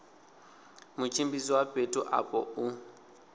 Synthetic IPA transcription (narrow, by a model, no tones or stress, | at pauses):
mʊt͡ʃʰʼimbisiwapʼetʼɔʔa̰pʼɔ̰u